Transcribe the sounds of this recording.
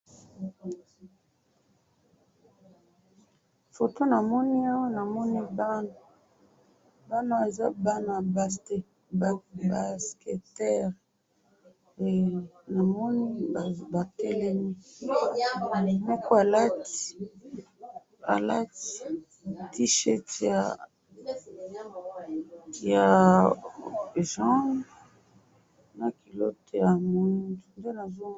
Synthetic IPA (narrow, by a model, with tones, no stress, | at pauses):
fo˨to˦na˨mɔ˦ni˦a˦wa˦na˨mɔ˦ni˦b | ba˦na˦˨e˨za˦ba˦na˨be˨ | ba˨ske˨tɛ˦ʁ | e˨na˨mɔ˦ni˦˨ba˨te˦lɛ˦ni˦˨ | mɔ˦ko˦a˨la˦ti̥˨ | a̰˨la˦ti̥˨ | ti˦ʃɛ˦tja˨ | ja˨ | ʒã˦ | na˨ki˨lo˦to˦ja˨mo˦tnde˦na˨zo˦